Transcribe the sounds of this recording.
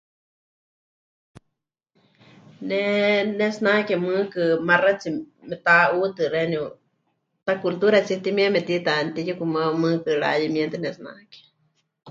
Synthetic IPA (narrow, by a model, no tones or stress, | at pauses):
nɛnesnakɛmɨkɨmarat͡si | mɛt̪aut̪ɨreniu | t̪akult̪uɾat͡sit̪imiemɛt̪it̪ant̪ijakumamɨkɨɺa̰jimɛnt̪enɛsna̰kɛ̥